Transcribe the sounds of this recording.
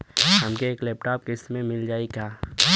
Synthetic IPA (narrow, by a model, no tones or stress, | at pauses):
ɦəmkeeːkleːp̚ʈaːp̚kɪsmẽmɪld͡ʒaːikaː